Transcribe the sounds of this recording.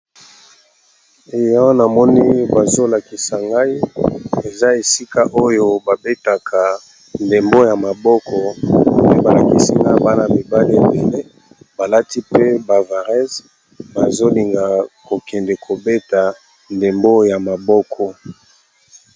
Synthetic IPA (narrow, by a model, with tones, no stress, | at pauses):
e˨ja˦wa˦na˨mɔ˦ni˦ba˨zo˦la˨ki˨sa˨ŋɡa˦i˦e˨za˦e˨si˦ka˦ʔo˦jo˦ba˨be˦ta˨kʰa˨ | nde˨mbo˦ja˨ma˨bɔ˦kʰɔ˨pe˦ba˨la˨ki˨si˨ŋɡa˦i˦ba˦na˨mi˨ba˦li˦˨be˨le˦ | ba˨la˦ti˦pe˦ba˨va˨ʁɛ˦z | ba˨zo˦li˨ŋɡa˨ko˨kɛ˨ndɛ˨kʰo˨be˦ta˨ | nde˨mbo˦ja˨ma˨bɔ˦kʰɔ˦